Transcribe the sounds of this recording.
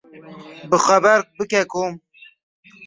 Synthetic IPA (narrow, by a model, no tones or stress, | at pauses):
bɨxɐbɛɾbɨkɛkʰoːm